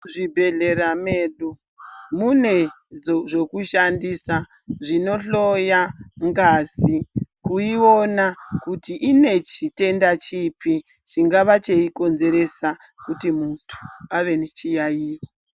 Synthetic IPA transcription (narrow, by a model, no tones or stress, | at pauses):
ʐibʱe̞ɮe̞ɾameːɗu | mune | d͡zoʐo̞kuʃandisa | ʐino̞ɬo̞jaŋɡazikuio̞nakutiʔine̞t͡ʃite̞ndat͡ʃipi | t͡ʃiŋɡaʋat͡ʃe̞iko̞nze̞ɾe̞sa | kutimuntʰu̥aʋe̞ne̞t͡ʃijajiːwo